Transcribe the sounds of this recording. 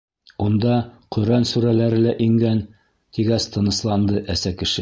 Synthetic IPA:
und̪ɑqɵ̆ɾænsuɾælæɾɘ̆læʔiŋɡæn | t̪iɡæst̪ɤ̆nɤ̆slˠɑnd̪ɤʔæsækɘ̆ʃɘ

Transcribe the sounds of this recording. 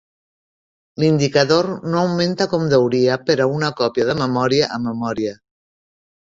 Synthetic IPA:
lind̪ikaðoɾnoːwment̪akɔmd̪əwɾiapəɾaunakɔpjað̞əməmɔɾiaʔːmːəmɔɾia

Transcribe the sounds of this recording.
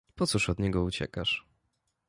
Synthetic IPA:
pɔt̪suʂɔd̪ɲɛɡɔut͡ɕɛ̰kaʂ

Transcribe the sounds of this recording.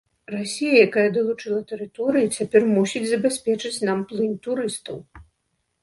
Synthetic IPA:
rasʲijɐjakajɐd̪ɐlˠut͡ʂɨlˠɐt̪ɛɾɨt̪ɔɾɨjit͡sʲapʲɛrmusʲid͡zʲzɐbʲasʲpʲɛt͡ʂɨt͡sʲnamplˠɨnt̪uɾɨst̪ɐw

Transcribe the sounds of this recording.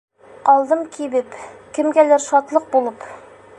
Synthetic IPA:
qɒlˠd̪ɤmkibɘpkɘ̆mɡælæɾʃɒt̪lˠɤq̚bulˠɤp

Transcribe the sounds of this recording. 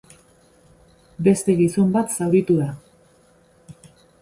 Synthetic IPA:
be̞st̪e̞ɣiso̞mbat̪sawɾit̪uða

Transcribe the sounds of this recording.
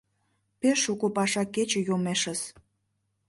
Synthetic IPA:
peʃukopɑʃɑkːet͡ɕĕjomeʃəs

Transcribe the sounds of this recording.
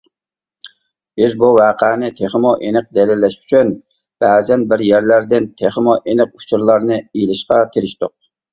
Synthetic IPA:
b̥ɪzbuwæːqʰæːnɪt̪ʰeχmoʔenɪq̚d̪ɛlɪlːɛʃy̥t͡ʃʰyn | b̥ɛːzɛnbɪɾjæɾlæɾd̪ɪnt̪ʰeχmoʔenɪq̚u̥t͡ʃʰuɾlˠɑɾnɨelɪʃqɑt̪ʰeɾɪʃt̪ʊq̚

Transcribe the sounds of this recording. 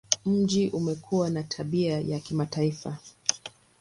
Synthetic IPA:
m̩d͡ʒiʔumɛkʰuwanatʰaɓiajakimataifa

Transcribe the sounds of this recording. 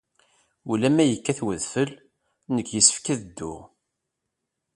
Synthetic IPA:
ulæmæjəkːæθwəðfəl | nəkːjəsːə̥fkæðd̪ːʊ̰ʁ

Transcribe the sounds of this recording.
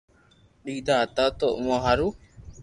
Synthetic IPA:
ɗid̪aːt̪at̪oʔmɔɦaɾu

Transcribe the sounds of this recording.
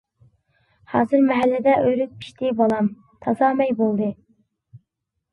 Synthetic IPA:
hɑːzɨɾmɛɦælːɪd̪ɛʔøɾyk̪̚pʰi̥ʃt̪ʰɪbɑlˠɑm | t̪ʰɑzɑmɛjbolˠd̪ɨ

